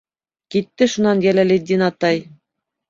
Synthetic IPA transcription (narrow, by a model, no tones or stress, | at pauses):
kit̪ːɘʃunɑnjælælɘd̪ʲinɑt̪ɑj